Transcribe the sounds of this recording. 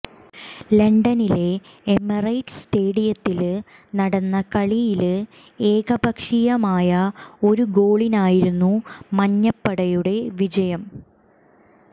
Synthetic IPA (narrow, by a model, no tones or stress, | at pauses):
leɳɖɐnile̞ | emɐrɐjʈsʈe̞ːɽijɐt̪ːil | nɐɽɐnːɐkɐɭijil | e̞ːɡɐbʱɐkʂijɐmaːjɐo̞ɾuɡo̞ːɭinaːjiɾunːumɐɲːɐpːɐɽɐjuɽe̞ʋid͡ʑɐjɐm